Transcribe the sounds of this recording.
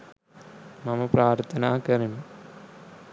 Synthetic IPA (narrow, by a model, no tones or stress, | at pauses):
mɐmɐpraːɾt̪ʰɐnaːkɐrim